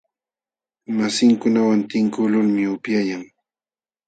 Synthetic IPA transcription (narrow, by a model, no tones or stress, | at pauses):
masɪŋkʊnawant̪ɪŋkʊlʊlmɪʊpjajaŋ